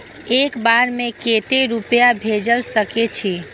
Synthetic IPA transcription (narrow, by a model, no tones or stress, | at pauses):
ekbaɾmẽket̪eɾupjabʱed͡ʒəlsəket͡ʃʰi